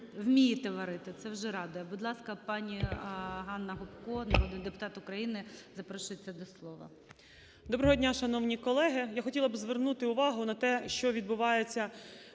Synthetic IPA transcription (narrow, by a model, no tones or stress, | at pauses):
wmʲijit̪ɛʋɐɾɪt̪ɪt̪sɛwʒɛɾɑd̪ʊjɛbʊd̪lˠɑskɐpɑnʲiɦɑnːɐɦɔpkɔnɐɾɔd̪ɪnd̪epʊ̥t̪ɑt̪ʊkɾɐjinɪzɐpɾɔʃɪt͡sʲːɛd̪ɔslˠɔʋɐ̰ | d̪ɔbɾɐɦɔdʲnʲaʃɐn̪ɔwnʲikɔlˠɛɦɪjaxɔtʲilˠɐbzʋernut̪ɪʊʋɑɦʊnɐt̪ɛʃt͡ʃɔʋʲid̪bʊʋɑjet͡sʲːɐ